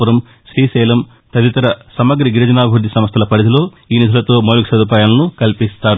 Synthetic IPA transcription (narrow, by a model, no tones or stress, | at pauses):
ɐɾɐm | ʃɾiːsɛːlɐm | t̪ɐd̪it̪ɐɾɐsɐmɐɡɾiɡiɾɐd͡ʒɐnaːbʱɾud̪isɐmɐst̪ʰɐlɐpɐɾɐd̪ilo̞ː | iːnid̪ʱulɐt̪o̞ːmoːluksɐd̪up̬aːjaːlɐnukɐlpist̪aːɾu